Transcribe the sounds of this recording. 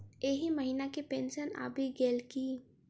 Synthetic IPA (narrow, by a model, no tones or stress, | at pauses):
eːɦiməɦiːnakepẽːnʃəna̰ːbʱiɡeːlki